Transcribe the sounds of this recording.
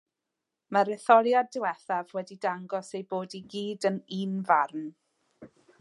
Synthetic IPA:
maɾɛθɔljadɪwɛθavwɛdidaŋɡɔsejboːdiɡiːdəninvarn

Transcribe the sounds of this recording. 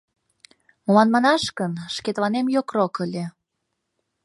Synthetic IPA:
molɑnmɑnɑʃkənʃket̪lɑnemjokrokəlʲe

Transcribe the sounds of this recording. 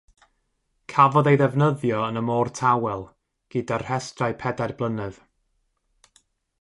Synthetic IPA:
kʰavɔðejðɛvnəðjɔənəmɔːrtʰawɛlˠ | ɡ̥ɨdar̥hɛstrajpʰɛdarblˠənɨð̥

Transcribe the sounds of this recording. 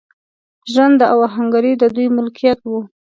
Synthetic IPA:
ʒwand̪əawaɦaŋɡaɾid̪əd̪ujmʊlkijat̪wu

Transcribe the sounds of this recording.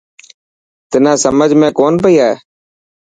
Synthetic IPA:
t̪ɪnãːsəməd͡ʒʱmẽːkoːnpəiːaːɦḛː

